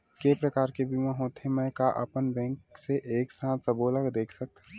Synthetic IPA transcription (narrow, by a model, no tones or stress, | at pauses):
kepɾəkaːɾkebʱimãɦot̪ʰemɛ̃kaʔə̰pənbɛ̃ŋkseʔeːksãːt̪ʰsəboːləkd̪eːkʰsək̚t̪